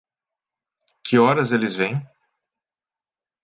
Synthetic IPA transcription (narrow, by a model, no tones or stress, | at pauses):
kʰɪɔɾɐzelɪzvẽj̃